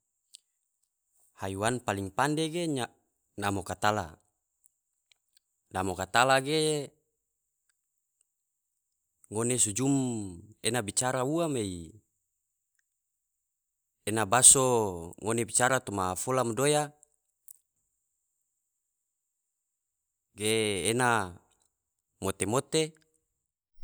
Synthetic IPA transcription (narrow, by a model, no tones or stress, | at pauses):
hajuwanpaliŋpandeɡeɲa | namokat̪ala̰ | namokat̪alaɡe | ŋonesud͡ʒumenabit͡ʃaɾauamei | enabasoŋonebit͡ʃaɾat̪omafolamodoja | ɡeːna | mot̪emot̪e